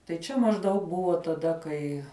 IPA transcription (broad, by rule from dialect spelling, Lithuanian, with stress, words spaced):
tɐɪ ˈt͡ʃʲɛ mɐʒˈdɐʊk ˈbʊʋoː tɐˈdɐ kɐɪ